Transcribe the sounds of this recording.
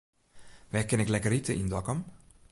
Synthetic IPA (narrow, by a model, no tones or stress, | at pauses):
ʋɛkɛnɛklɛkəritəʔindɔkəm